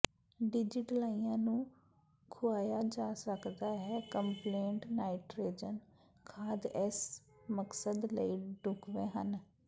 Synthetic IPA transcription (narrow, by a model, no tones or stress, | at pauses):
ɖɪd͡ʒɪʈlaːiãːnũː | kʰʊaːjad͡ʒaːsəkd̪aːɦɛːkəmpleːɳʈnaːɪʈɾeːd͡ʒən | kʰaːd̪ɛsməksəd̪ləiɖʊkʋẽːɦən